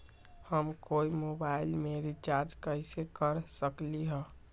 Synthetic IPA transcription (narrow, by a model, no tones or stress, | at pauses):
həmkoimobailmeɾit͡ʃad͡ʒkəjsekəɾsəkliɦə